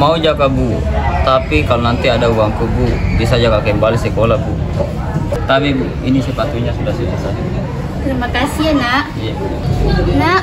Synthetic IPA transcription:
maud͡ʒakabu | t̪apikalonant̪iadauwaŋkububiasad͡ʒakakɛmbalisɛkolabu | t̪apibu | inisɛpat̪uɲasudahsudasaɦia | t̪ɾimakasianaʔ | ja | naʔ

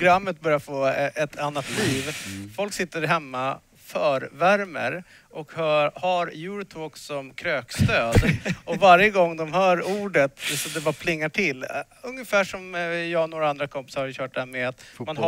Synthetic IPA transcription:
ɡɾamːət̪̚bœɾjaɾfoːʔɛt̪ʰanːat̪liːvfɔlksɪt̪ːəɾɦɛmːa | fœːɾvæɾmə̰ɾ | ʔɔkhœhaɾjʉɾt̪ʰoːksɔmkʰɾøːkst̪øːd̪ɔvaɾjəɡɔŋːd̪ɔmhœːɾuːɖət̪sɔd̪ɛbɑːɾpʰlɪŋːaʈʰɪlː | ɵŋjəfæːʂɔmjɑːɡnoːɾaand̪ɾakʰɔmpɪ̥saɾhaɾjɕœːʈ̚d̪ɛhæːɾmɛat̪man

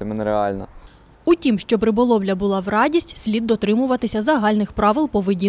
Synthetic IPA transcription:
ɪmɪnɛɾeɑ̰lʲnɐ̰ | utʲimʃt͡ʃɔpɾɪbɔlˠɔʋlʲɐbʊlˠɑʋrɑdʲisʲtʲsʲlʲid̪ːɔt̪ɾɪmʊʋɐt̪ɪsʲɐzɐɦɑlʲnɪxpɾɑʋɪlˠpɔʋedʲi

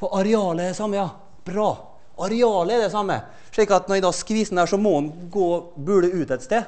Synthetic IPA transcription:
fɔʔɑɾɛɑːləɛd̪ɛsɑmːəjɑ | b̥ɾɑː | ʔɑɾɛɑːləɛd̪ɛsɑmːə̰ | ʂɭiːkɑt̪nɔɾɛd̪ɑskɾiːsn̩æːʂɔmɔhʊnɡoːbʉɖəʉːt̪ɛt̪st̪eː

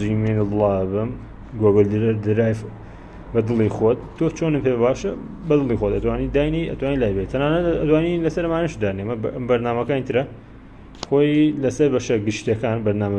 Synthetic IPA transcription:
imenɨd̪lˠɑbɨm | ɡoɡəld̪d̪ɨɾaːjf | bɐd̪ɨlˠiːxot̪̚t̪ːʰot͡ʃonɨpʰebaːʃɐ | bɐd̪ɨlˠixwot̪ɐt̪waːnid̪aːjniʔɐ̰t̪waːnilaːjbet̪t̪ʰɐnaːnɐt̪ɐt̪waːnilɐsɐɾɐmaːnɨʃd̪aɾnemɐmbɐɾnaːmɐkaːnit̪ʰɨɾɐ | xoːjlɐsɐɾbɐʃɐɡɨʃt̪jɐkaːnbɐɾnaːmɐ

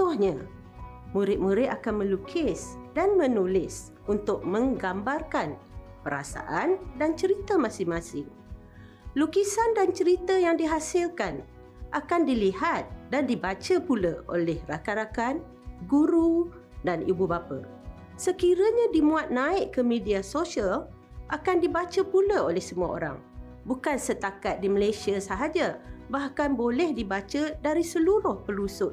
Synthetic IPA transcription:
t̪ʊhɲa | muɾɪt̪̚muɾɪʔ̪̚akanmə̃lukʰɪsdanmənulɪs | unt̪ʊk̚mə̃ŋɡambarkan | pəɾa̰sa̰ʔandant͡ʃəɾit̪əmãsɪŋmasɪŋ | lukisandant͡ʃəɾit̪əjaŋdiɦasɪlkan | ʔakandilihat̪̚dandibat͡ʃəpuləo̰lɛhrakaɾakan | ɡuɾu | danibubapə̰ | səkiɾəɲadimuat̪̚naɪʔkəmidiasosiəl | ʔakandibat͡ʃəpuləolɛhsəmua̰o̰ɾa̰ŋ | bukansət̪akat̪̚diməlesiasaɦad͡ʒabahkanbolɛhdibat͡ʃədaɾisəluɾʊhpəlusʊt̪̚

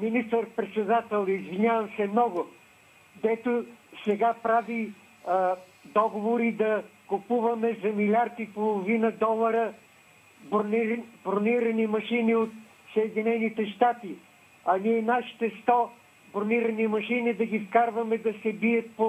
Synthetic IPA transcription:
minist̪əɾpɾɛt̪sɛd̪at̪ɛlˠizvinʲjavəmsɛmnɔɡʊ | d̪ɛt̪osɛɡapɾavi | d̪ɔɡovoɾid̪ɐkʊpuvɐmɛzɐmilʲaɾt̪ipolˠovinəd̪ɔlˠɐɾə | b̪bɾoniɾɐnimɐʃiniot̪ | sɐɛd̪inɛnit̪ɛʃt̪at̪i | ɐniɛnaʃi̥t̪ɛst̪ɔ | bɾoniɾɐnimɐʃinid̪ɐɡifkaɾvɐmɛd̪ɐsɛbiɐt̪po

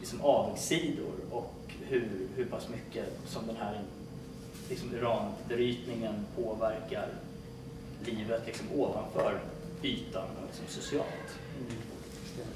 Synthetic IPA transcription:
lɪksɔmʔɑːd̪ɡsiːd̪ʊ̰ɾɔk | hɵhɵpʰasmʏkːə | sɔmd̪ɛnɦæɾ | lɪksɔmɪɾɑːnbɛɾyːt̪nɪŋənpʰoːvæɾkaɾ | liːvət̪lɪksɔmʔoːvanfœ̰ːɾ | yːt̪anɔ̰lɪksɔmsʊsɪɑ̰ːlt̪

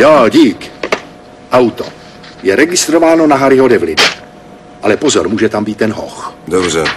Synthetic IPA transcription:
joːɟiːk | ʔawt̪o̰ | jɛɾɛɡɪst̪ɾovaːnonaɦaɾɪɦodɛvlɪna | ʔalɛpozoɾmuːʒɛt̪ambiːt̪ːɛnɦo̰xd̪obrɛ

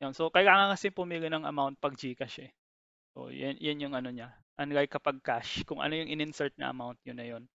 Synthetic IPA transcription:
jonsokɐjlaːŋɐkɐsɛpʊmilɪnɐŋʔɐ̰mawnt̪̚pɐɡ̚d͡ʒiːkɐʃɛ | ʔo̰jɐ̰njanjʊŋʔɐno̞ɲa | ʔɐnɡajkɐpɐɡ̚kaʃkʊŋʔɐ̰no̞jʊŋʔɪnɪnsɛɹt̪̚nɐ̰ʔɐ̰mawnt̪̚ɲʊnɐjo̞n

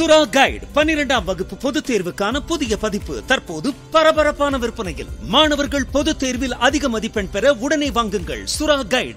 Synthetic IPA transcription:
sʊɾaːɡɐɪɖpɐnːɪɾɛɳɖaːmʋɐɣɯpːɯpɔðɯt̪ːeːɾʋɯkːaːnɐpʊðɪjɐpɐðɪpːɯ̰t̪ɐrpoːðɯpɐɾɐbɐɾɐpːaːnɐʋɪɾɯpːɐnɐjɪ̰lmaːɳɐʋɐɾɣɐɭpɔðɯt̪ːeːɾʋɪlɐðɪɣɐmɐðipːɛɳpɛɾɐʊɽɐneːʋaːŋɡɯŋɡɐ̰ɭsʊɾaːɡɐɪɖ

